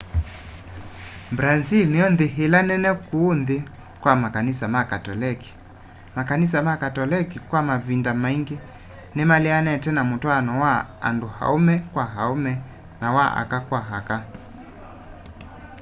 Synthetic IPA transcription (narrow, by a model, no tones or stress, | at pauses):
bɾazilniɔnðiɦilanɛnɛkuːnði | kwamakanisamakatɔlɛki̥ | makanis̬amakatɔlikikwamavindamaiŋɡi | nɛmalianɛtɛnamutwanɔwaa̰nduha̰umɛkwaɦaumɛ | nawaʔa̰kakwaɦaka